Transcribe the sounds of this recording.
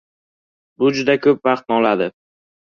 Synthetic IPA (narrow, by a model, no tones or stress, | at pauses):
bʊd͡ʒʊd̪akʰɵp̚vɑqt̪̚nɒlad̪ɪ